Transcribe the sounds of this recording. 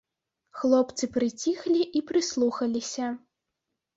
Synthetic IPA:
xlˠɔpt̪sɨpɾɨt͡sʲixlʲiʔipɾɨslˠuxɐlʲisʲɐ

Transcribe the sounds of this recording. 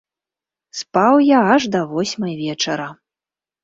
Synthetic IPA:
spawjaaʐd̪ɐvɔsʲmɐjvʲɛt͡ʂɐɾɐ

